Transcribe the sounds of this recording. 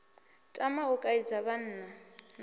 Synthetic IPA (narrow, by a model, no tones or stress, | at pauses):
tʼamaʊkʼaid͡zaban̩ːnan